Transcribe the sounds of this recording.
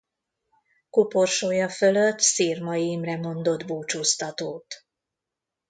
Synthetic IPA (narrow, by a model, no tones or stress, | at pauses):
kuporʃoːjɒfø̞løt̪ːsiːrmɒjimrɛmo̞nd̪o̞d̪buːt͡ʃoːst̪ɒt̪oːt̪